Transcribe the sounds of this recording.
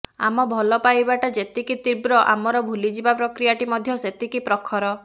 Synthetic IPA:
a̰mɔbʱɔlɔpajbaʈɔd͡ʒet̪ikit̪ibɾɔʔa̰mɔɾɔbʱulid͡ʒibapɾɔkɾijaʈimɔd̪ʱjɔset̪ikipɾɔkʰːɔɾɔ

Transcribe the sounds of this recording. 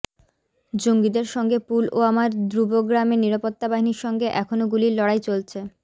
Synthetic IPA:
d͡ʑoŋɡid̪eɾʃɔŋɡepuloamaɾd̪ɾuboɡɾameniɾapot̪ːabaɦiniɾʃɔŋɡeʔɛkʰonoɡuliɾlɔɽajt͡ɕolt͡ɕʰe

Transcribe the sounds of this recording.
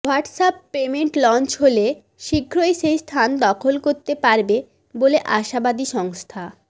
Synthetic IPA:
waɾʈsapːemeɳʈlɔnt͡ɕɦole | ʃikʰːɾoeʃejst̪ʰand̪ɔkʰolkoɾt̪epaɾbe | boleʔaʃabad̪iʃɔŋst̪ʰa

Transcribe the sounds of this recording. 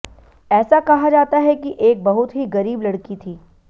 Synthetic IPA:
ɛːsakɐɦad͡ʒaːt̪aɦɛkiʔeːk̚bɐɦʊt̪ɦiɣɐɾiːblɐɽkit̪ʰiː

